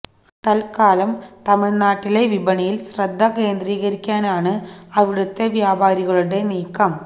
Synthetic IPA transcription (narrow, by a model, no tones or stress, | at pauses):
t̪ɐlkaːlɐmt̪ɐmɪɭnaːʈːile̞ʋibɐɳijilɕrɐd̪ʱːɐkeːnd̪riːɣɐɾikʲːaːnaːɳɨɐʋiɽɐt̪ːeʋjaːbʱaːɾiɣɐɭuɽe̞niːkːɐm